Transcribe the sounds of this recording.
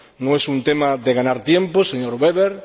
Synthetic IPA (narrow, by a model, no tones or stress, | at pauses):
nõŋesunt̪emaðeɣanaɾt̪jemposeɲoɾβeβeɾ